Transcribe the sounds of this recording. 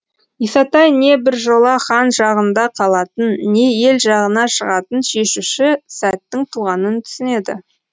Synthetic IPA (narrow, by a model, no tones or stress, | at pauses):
isɑt̪ɑjne̞bɪɾʒo̞lˠɑχɑnʒɑʁənd̪ɑqʰɑlˠɑt̪ənːe̞je̞lʒɑʁənɑʃəʁɑt̪ənʃe̞ʃuʃɪsæt̪ːɪŋt̪ʰuʁɑnənt̪ʰʏ̥sɪne̞d̪ɪ̰